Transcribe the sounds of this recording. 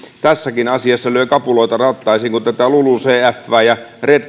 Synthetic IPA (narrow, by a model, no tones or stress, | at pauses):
t̪æsːækinɑsiɑsːɑløˑikɑpuloit̪ɑrɑt̪ːɑisiːŋkunt̪æt̪æluluseːæfːˑæːjɑret̪